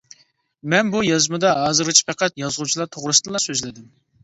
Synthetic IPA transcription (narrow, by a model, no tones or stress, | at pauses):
mɛnbujɑzmɨd̪ɑɦɑːzɨɾɨt͡ʃʰi̥pʰɛqɛt̪jɑzʁut͡ʃʰilˠɑɾt̪ʰoʁɾɨsɨd̪lˠɑsøzlɪd̪ɪm